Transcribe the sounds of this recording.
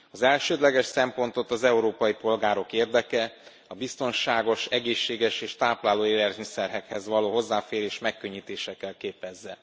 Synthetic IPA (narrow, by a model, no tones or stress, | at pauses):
ɒzɛlʃøːd̪lɛɡɛʃsɛmpo̞n̪t̪o̞t̪ɒzɛuɾoːpɒjipo̞lɡaːɾo̞keːrd̪ɛkɛ | ɒbist̪o̞nʃaːɡo̞ʃɛɡeːʃːeːɡɛʃeːʃt̪aːplaːloːeːlɛrmisɛrɦɛkhɛzʋɒloːɦo̞zːaːfeːɾeːʃmɛkːø̞ɲːit̪eːʃɛkːɛlkeːpɛzːɛ